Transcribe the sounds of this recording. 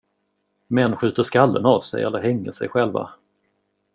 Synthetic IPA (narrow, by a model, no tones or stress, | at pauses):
mɛnːɧʉ̟ːt̪əʂkalːə̰navsɛ̰jɛlːəɾɦɛŋːə̰ʂɛ̰jɧɛlva̰